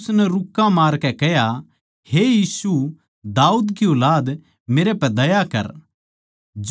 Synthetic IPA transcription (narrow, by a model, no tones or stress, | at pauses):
snɛɾʊkːãmaːɾkɛkɛɦja | hejiːsu | d̪aːuːd̪kioːlaːd̪ | meːɾepɛd̪ɐjakɐ̰ɾ | d͡ʒ